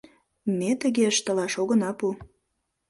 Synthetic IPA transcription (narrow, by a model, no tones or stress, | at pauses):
met̪əɣeəʃt̪ə̆lɑʃoɣə̆nɑpu